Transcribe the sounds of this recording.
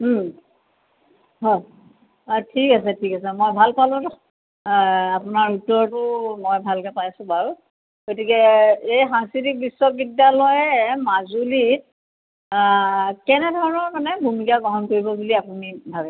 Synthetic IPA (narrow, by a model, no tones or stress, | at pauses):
m̩ | ɦɔj | tʰikasɛtʰikasɛmojbʱalpalʊ̃tɔ | apʊnaɹutːɔɹtʊmɔjbʱalkɛpajsʊ̃baɹ | ɡotikɛejɦãsilik̚bisːwɔk̚bidːalɔjɛmazulit̚ | kɛnɛdʱɔɹɔnɔɹkanɛbʱumikaɡɔɦɔnkoɹibɔbuliapunibʱabɛ